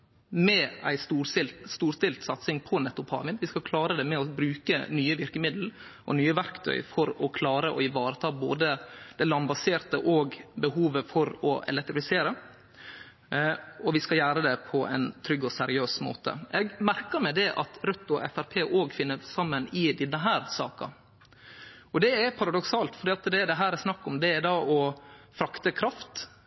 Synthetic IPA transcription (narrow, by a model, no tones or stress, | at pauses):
mɛæɪst̪uːsɪlst̪uːɾst̪ɪlt̪sɑt̪sɪŋpʰɔnɛt̪ːʊpʰɑ̰ːmɪnʋɪskɑkʰlɑːɾəd̪ɛmɛɔbɾʉːkənyːəʋɪɾkəmɪd̪l̩ʔɔ̰nyːəʋæɾkt̪ʰœ̰ʏfɔɾɔkʰlɑːɾəʔɔ̰ɪʋɑːɾət̪ʰɑːbo̰ːd̪əd̪̥ɛlɑnbɑseːɾt̪əʔoːɡbəhuːʋəfɔɾɔɛ̰lɛk̚t̪ɾɪfɪseːɾə | ɔʋɪskɑljæːɾəd̪ɛpʰɔʔɛ̰ɪnt̪ʰɾʏɡːɔsɛɾɪøːsmo̰ːt̪ə̰ʔɛɡmæɾkəɾmɛd̪ɛʔɑ̰t̪ɾœt̪ːʊɔ̰ʔɛ̰fæɾpʰeːʔoːɡfɪnːəsɑmːənɪd̪ɪnːəɦæːɾsɑ̰ːkɑ̰ | ɔd̪ɛɛpʰɑɾɑd̪ɔksɑːlt̪fɔɖiːɑt̪d̪ɛd̪ɛɦæːɾɛɾsnɑkːɔmd̪ɛɛd̪ɑːʔɔfɾɑkt̪əkʰɾɑft̪